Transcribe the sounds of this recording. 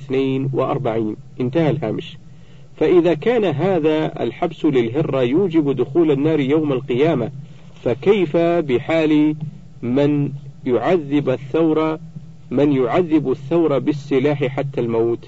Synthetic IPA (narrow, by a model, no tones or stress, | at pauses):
θnaːnwɪʔɑ̰ɾˤbaʕiːnʔɪnt̪ahalɦa̰ːmɪʃ | faʔɪðakaːnaɦaːðaa̰lħabslɪlɦɪrːɑjuːd͡ʒɪbd̪ʊxuːlanːaːɾˤjawmalqɨjaːma | fakajfabɪħaːl | manjʊʕaðːɪbaθːawɾˤɑ | mɪnjʊʕaðːɪbaθːawɾˤɑbɪsːɪlaːħɪħat̪ːalmaːt̪